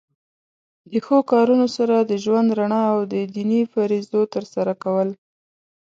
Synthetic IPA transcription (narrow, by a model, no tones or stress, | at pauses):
d̪əxokɑɾunosaɾad̪əʒwand̪ɾaɳɑːwd̪əd̪inifaɾizot̪əɾsaɾakawəl